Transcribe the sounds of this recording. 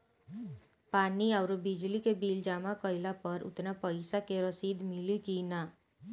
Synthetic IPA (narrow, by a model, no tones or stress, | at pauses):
paniawɾobid͡ʒlikebild͡ʒamakʌjlapʌɾṵt̪napəɪsakeɾəsid̪milikina